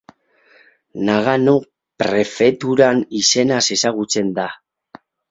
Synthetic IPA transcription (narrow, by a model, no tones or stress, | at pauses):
naɣano̞ | pɾe̞fe̞t̪uɾanise̞nase̞saɣut͡se̞nd̪a